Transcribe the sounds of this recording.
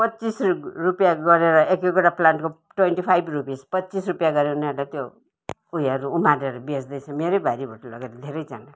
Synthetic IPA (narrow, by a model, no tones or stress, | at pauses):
pʌtːt͡sisrupjaɡʌɾeɾʌʔekekoʈaplanʈko | ʈwenʈipʰajbrupispʌtːt͡sisrupjaɡʌɾeuneʌɾlat̪jo | ujʌɾuumaɾeɾubesd̪ʌjt͡sʰʌmeɾobaɾibʱoʈʌlʌɡeɾʌd̪ʱeɾʌjd͡zana